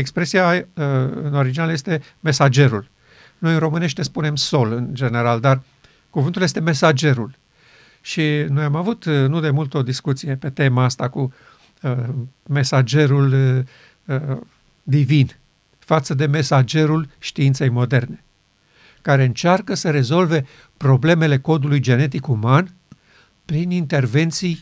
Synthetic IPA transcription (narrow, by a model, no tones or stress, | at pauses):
ekspɾe̞sija | ɨ̰no̞ɾid͡ʒinalje̞st̪e̞ | me̞sad͡ʒe̞ɾul | no̞jɨnro̞mɨne̞ʃt̪espune̞mso̞lɨnd͡ʒe̞ne̞ɾald̪ar | kuvɨnt̪uljest̪e̞me̞sad͡ʒe̞ɾul | ʃino̞jamavut̪nud̪e̞mult̪o̞d̪iskut̪sije̞pe̞t̪e̞maast̪aku | me̞sad͡ʒe̞ɾul | d̪ivin | fat̪səd̪e̞me̞sad͡ʒe̞ɾulʃt̪iint̪se̞jmo̞d̪e̞rne̞ | kaɾe̞ɨnt͡ʃarkəsəɾe̞zo̞lve̞ | pɾo̞ble̞me̞le̞ko̞d̪ulujd͡ʒe̞ne̞t̪ikuman | pɾinint̪e̞rve̞nt̪sij